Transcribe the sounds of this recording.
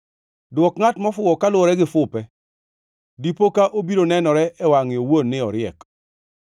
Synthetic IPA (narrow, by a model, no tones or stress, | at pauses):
dwɔkŋatmɔfʊwɔkalwɔɾɛɡɪfʊpɛ | dipokaʔobiɾonɛnɔɾɛʔɛwaŋɪowonːɪɔɾɪɛk